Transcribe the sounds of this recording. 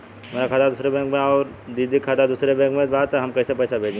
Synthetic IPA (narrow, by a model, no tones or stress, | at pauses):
meːɾakʰaːt̪ʰad̪ʊːsɾebɛ̃ːŋkmẽɔːɾ | d̪id̪ʱikʰaːt̪ad̪uːsɾebɛ̃ːŋkmẽbaːt̪ɦɐmkɛːsepɛːsabʱeːd͡ʒẽ